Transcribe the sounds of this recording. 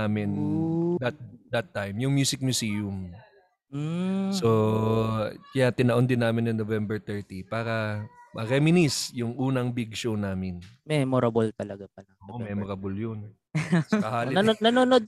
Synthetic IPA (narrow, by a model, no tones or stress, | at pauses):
amɪnd̪ɐt̪̚d̪ɐt̪ːajmjʊŋmjuːsɪk̚mjʊsiːjʊm̩ | so | kɐjat̪ɪnɐʔond̪ɪnːaːmɪnɐŋnovɛmbɛɹt̪ɛɹt̪ipaːɾɐmɐɾɛmɪnisjʊŋʔuːnɐŋbɪɡ̚ʃownaːmɪnmɛmoɾɐbolt̪ɐlɐɡapɐlɐoʔʔomɛmoɾɐbʊljon | sɐhaːlɪnɐnonod̪̚